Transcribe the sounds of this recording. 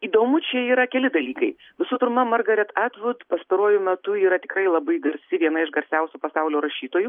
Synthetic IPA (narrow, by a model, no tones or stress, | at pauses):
iːd̪oːmʊt͡ʃʲɛiːɾɐkʲɛlʲɪd̪ɐlʲiːkɐɪ | ʋʲɪsʊpʲɪɾmɐmɐrɡɐɾʲɛt̪æt̪ʋʊt̪pɐst̪ɐɾuɔjʊmʲɛt̪ʊiːɾɐt̪ʲɪkɾrɐɪlˠɐbɐɪɡɐɾʲsʲɪʋʲiɛnɐɪʃɡɐɾʲsʲɛʊsʲupɐsɐʊlʲoːɾɐʃʲiːt̪oːju